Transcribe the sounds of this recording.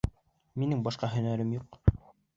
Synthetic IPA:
minɘŋbɑʃqɑɦɵ̆næɾɘmjuq

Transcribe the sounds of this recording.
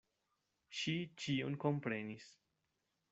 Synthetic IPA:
ʃit͡ʃio̰nko̞mpɾe̞nis

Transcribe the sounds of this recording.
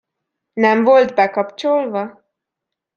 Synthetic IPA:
nɛɱvo̞lt̪bɛkɒpt͡ʃolvɒ

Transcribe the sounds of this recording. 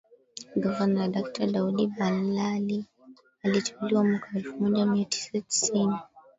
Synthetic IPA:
ɡɔvanaɾaɗak̚taɗaudibalali | alit͡ʃḁkuliwamwakaɛlfumɔʄamiatʰi̥sati̥sini

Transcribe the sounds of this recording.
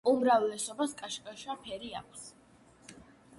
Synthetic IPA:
umɾavlɛsɔbaskʼaʃkʼaʃapʰɛɾia̰kʷʰs

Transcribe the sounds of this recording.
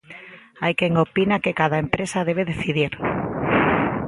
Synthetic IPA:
ajkeŋopinakekaðaempɾesaðeβ̞eðeθiðiɾ

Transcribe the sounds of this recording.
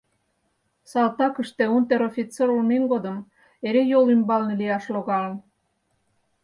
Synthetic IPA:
sɑlˠt̪ɑkə̆ʃt̪eunt̪eɾofʲit͡seɾulmenɡod̪ə̆m | eɾejolymbɑlnlijɑʃloɣɑlən

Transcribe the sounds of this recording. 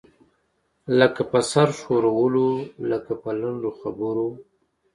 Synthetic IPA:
ləkapəsaɾʃoɾawəloləkapəlaɳɖoxabəɾo

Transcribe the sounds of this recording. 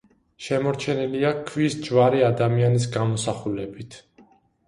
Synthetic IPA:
ʃɛmɔɾt͡ʃʰɛniliakʰvisd͡ʒvaɾiad̪amianis̬ɡamɔsaχulɛbit̪ʰ

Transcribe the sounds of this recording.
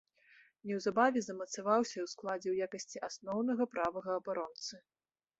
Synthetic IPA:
nʲɛwzabavʲɛzɐmɐt̪savawsʲɐwsklˠad͡zʲɛwjakɐsʲt͡sʲiʔasnɔwnɐɣɐpɾavɐɣɐːbaɾɔnt̪sɨ

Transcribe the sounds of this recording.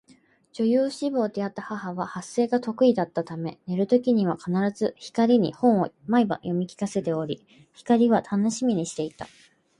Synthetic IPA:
d͡ʑo̞jɯːɕibo̞ːd̪e̞at̪ːahahaβahasːe̞ːɡat̪o̞kɯ̟id̪at̪ːat̪ame̞ne̞ɾɯ̟t̪o̞kʲiɲ̟iβ̞akʰanaɾazɨçi̥kaɾʲiɲ̟ḭhõ̞ɰ̃o̞maiba̰jo̞mʲikʲi̥kase̞t̪e̞o̞ɾʲi | çi̥kaɾʲiβ̞at̪ʰano̞ɕimʲiɲ̟iɕi̥t̪e̞it̪a

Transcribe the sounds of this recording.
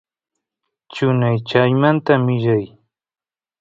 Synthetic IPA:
t͡ʃʊnajt͡ʃajmant̪amɪʒaj

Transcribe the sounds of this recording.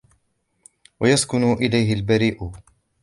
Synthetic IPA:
wajaskʊnʊʔɪlajɦɪlbaɾiːʔʊ

